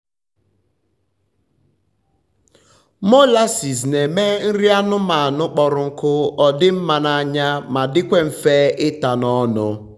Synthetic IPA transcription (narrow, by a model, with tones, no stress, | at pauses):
mo˦la˦si˨s̬ne˨me˦n̩˦ɾi˦a˦nʊ˦ma˨a˨nʊ˦k͡pɔ˨ɾʊ˨ŋ̩˦kʊ˦ɔ˨dɪ˦m̩˦ma˨na˦˨ɲa˦ma˨dɪ˦kʷe˦m̩˨feː˦ɪ˦ta˨nɔ˦nʊ˦